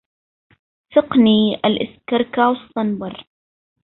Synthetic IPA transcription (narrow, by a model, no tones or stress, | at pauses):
fɪqniːʔalʔɪskɑɾˤkaːwsˤt̪ɑnbɑɾˤ